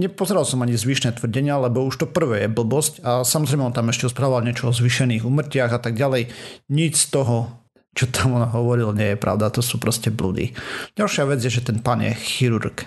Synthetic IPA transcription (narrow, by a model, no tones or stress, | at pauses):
ɲɛpɔzɛɾalsɔmaɲizʋiːʃnɛːt̪ʋr̩ɟɛɲɪalɛbɔuʃt̪ɔpr̩ʋɛːjɛbl̩bɔscasamɔzɾɛɪmɛɔnt̪amɛʃcɛɔspɾaːʋʋalɲɪɛt͡ʃɔɔzʋiʃɛniːɣuːmr̩cɪaɣat̪aɡ̚ɟalɛjɲit͡ʃst̪ɔɦɔ | t͡ʃɔt̪ʰamɔnaɦɔʋɔɾilaɲɪɛjɛpɾa̰ʊd̪at̪ɔsuːpɾɔscɛblṵd̪ḭɟ̥alˠʃɪaʋɛd͡zjɛʒɛt̪ɛnpanjɛ̰xiɾuɾk